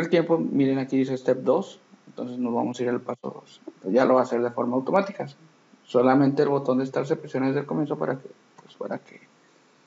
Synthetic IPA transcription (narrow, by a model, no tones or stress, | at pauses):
elt̪je̞mpo̞miɾenakiðisest̪ep̚d̪o̞s | eent̪o̞nse̞zno̞zβamo̞siɾalpaso̞̰ðo̞̰soʝalʔo̞βaːse̞ɾðe̞fo̞ɾmaːwt̪o̞mat̪ikas | so̞lamẽnt̪eːlβo̞t̪o̞nd̪est̪aɾs̬epɾesjo̞naezðelko̞mje̞nsopa̰ɾake | pwespa̰ɾa̰kʰe